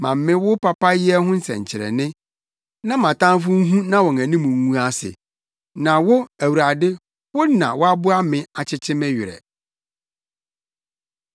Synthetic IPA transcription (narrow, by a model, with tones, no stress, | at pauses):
mã̰˨m̩˨mɪ̃˦wʊ˦pʰa˦pʰa˦jɪ˦ɛ˦ɦʊ̃˦n̩˦sɛ̰̃˨ɲ˨t͡ɕʰɪ˨ɾɛ̰˨nɪ̃˦ | nã˦mã˨tʰã˦m˦fʊ̃˦ŋ̩˦ɦũ˦nã˦wɔ̃˨ŋæ̃˨nĩ˦mũ˨˦ũ˦a˦sɪ̰˨ | nã˨wʊ˦æ˨wu˨ɾa˨dɪ˦ | wʊ˦nã̰˨wʊ˦a˦bʊ˦a˦mɪ̃˦a˨t͡ɕʰɪ˦t͡ɕʰɪ˦mɪ̃˦ɥɪ˨ɾɛ̰˨